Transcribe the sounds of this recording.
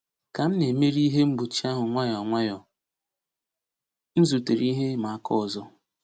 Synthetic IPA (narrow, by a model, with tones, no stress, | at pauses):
ka˨m̩˦ne˨me˦ɾi˦ɦe˦m̩˦bu˨t͡ʃi˦a˦ɦʊ˨ŋʷa˦jɔ˨ŋʷa˦jɔ˨ | n̩˦zu˨te˨ɾi˦ɦe˦ma˨a˦kʰɔ˦˨zɔ˦